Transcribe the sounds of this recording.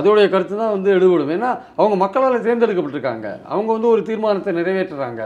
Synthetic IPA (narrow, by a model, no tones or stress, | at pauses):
ɐðɐɯɽɐjɐkɐɾɯt̪ːɯt̪ãːʋɐnd̪ɯɛɽɯʋʋɐɽɯmeːnːaː | ɐʋɐŋɡɐmɐkːɐɭaːlɐs̬eːɾnd̪ɪɽɯkːɐpːɐʈːɪɾɯkːa̰ːŋɡɐ̰ɐ̰ʋɐŋɡɐʋɐnd̪ɯɔɾɯt̪iːɾmaːnɐt̪ːɛnɪɾɐjʋeːʈːɐɾa̰ːŋɡɐ̰